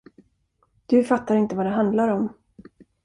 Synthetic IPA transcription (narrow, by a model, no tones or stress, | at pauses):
d̪̥ɵfat̪ːaɾɪnt̪əvad̪ɛɦand̪laɾɔm